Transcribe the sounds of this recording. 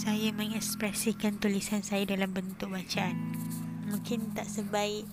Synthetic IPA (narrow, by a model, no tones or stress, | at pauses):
sajamə̃ŋɛspɾɛsikant̪ulisansajadalambənt̪ʊk̚bat͡ʃaanmũŋkɪnt̪aʔsəbaɪʔ